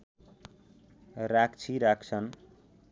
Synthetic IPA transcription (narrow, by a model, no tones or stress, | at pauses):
rakt͡sʰiɾak̚t͡sʰʌn